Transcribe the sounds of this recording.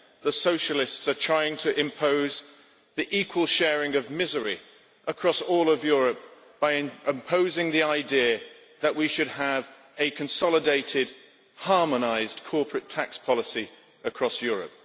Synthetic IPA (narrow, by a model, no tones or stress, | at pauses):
ðəsoʊʃəlɪstsətʰɹ̥aɪɪ̃ŋtʰɨʔɪ̃mpʰoʊz | ðiʔiˑkʰwəlˠʃɛːɹɪ̃ŋʌvmɪzə˞ḭ | ʔəkʰɹ̥ɔsɔːlˠəvjʊɹəp̚ | b̥aɪɪ̃ɪ̃mpʰoʊzɪ̃ŋðiaɪdiə | ðəʔwiʃɨd̚əv | ɨkʰɨ̃nsɑlˠədeɪtɪd̥̚ | hɑɹmənaɪzkʰɔˑpʰɹɨtʰakspʰɑlˠəsi | əkʰɹ̥ɔsjɔːɹə̰p̚